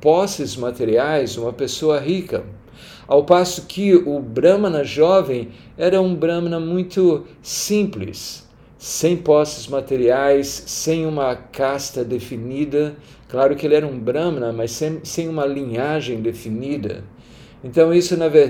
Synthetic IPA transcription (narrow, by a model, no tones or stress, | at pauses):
pɔsɪzmat̪eɾiajzũmɐpesoɐɦikɐ̰ | awpasʊkʰɪʊbɾɐ̃mɐnɐʒɔvẽj̃ | ɛɾɐũbɾɐ̃mnɐmũj̃t̪ʊsĩplɪ̰sː | ẽj̃pɔsɪzmat̪eɾiajsːẽj̃ũmɐkast̪ɐd̪efinid̪ɐ | klaɾʊkɪelɪɛɾɐũbɾɐ̃mnɐmɐsẽsẽj̃ũmɐlĩɲaʒẽj̃d̪efinid̪ɐ̰ | ẽnt̪ɐ̃w̃isʊnɐve